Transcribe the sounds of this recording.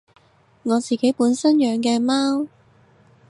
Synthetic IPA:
ŋɔː˨˧t͡siː˨˩ke˨˥jpuː˨˥nsɐ˥njœː˨˧ŋkɛː˧maː˥w

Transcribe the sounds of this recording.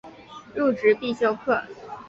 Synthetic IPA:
ɻu˥˩ʈ͡ʂɻ̩˧˥pi˥˧t͡ɕjo˥˧ʊkʰɤ˥˩

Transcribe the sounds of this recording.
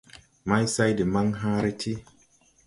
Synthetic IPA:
ma˦jsa˦jde˨ma˦ŋɦaː˦ɾe˦tʰi˦

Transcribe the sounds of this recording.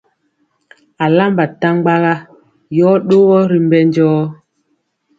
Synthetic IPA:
a˨la˦mba˨ta˦ŋ˦ɡ͡ba˦ɣa˦ | jɔː˦ɗo˦wɔ˦ɾi˨mbɛ˦ɲd͡ʒɔː˦

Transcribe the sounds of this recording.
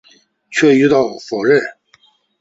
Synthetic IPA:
t͡ɕʰɥɛ˥˩y˥˧t̪ɑ˥˩ʊfɔ˨˩ɻə˥˩

